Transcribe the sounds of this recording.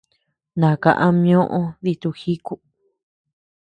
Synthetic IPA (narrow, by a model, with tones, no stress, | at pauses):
nã˨kã̰˧˨ʔã˧mj̃õ˦ʔõ˦ði˧t̪u˧xi˦ku˧